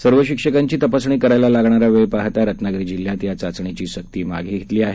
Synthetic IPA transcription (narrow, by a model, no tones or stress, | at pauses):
səɾʋəɕikʂəkaɲt͡ɕiːt̪əpasɳ̃iːkəɾajlalaɡɳ̃aɾaʋepaɦt̪aɾət̪ʰnaɡɾiːd͡ʑil̤ːjat̪jat͡sat͡sɳ̃et͡ɕiːɕək̚t̪iːma̰ɡʱiɡʱet̪liːaɦe